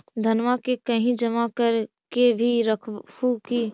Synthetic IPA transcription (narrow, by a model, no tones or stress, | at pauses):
d̪ʱənʋakekɐɦĩd͡ʒɐmakəɾ | kebʱiɾɐkʰuki